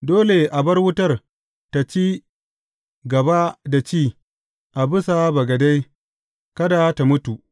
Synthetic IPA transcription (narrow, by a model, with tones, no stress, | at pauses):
doː˦le˨ʔa˨bɐ˦rwʊ˦tɐ˦˨r | ta˨t͡ʃiː˦ | ɡɐ˨ba˦da˨t͡ʃiː˦˨ | ʔa˨bʊ˦sa˨˦bɐ˨ɡɐ˨da˦j | kɐ˦da˨˦ta˨mʊ˦tu˨ʔ